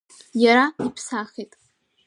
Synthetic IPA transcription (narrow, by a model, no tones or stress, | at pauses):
jaɾaipʰsaχʲetʼ